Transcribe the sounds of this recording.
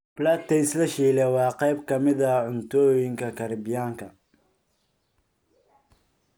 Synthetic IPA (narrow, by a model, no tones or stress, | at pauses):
b̥laːt̪ʰɛslɐʃiːlɛwɑːqɑjbkʰɐmɪðɐʕʊnt̪ʰɔːjɪŋkʰɐkʰɐɾbɪjaːŋkʰɐ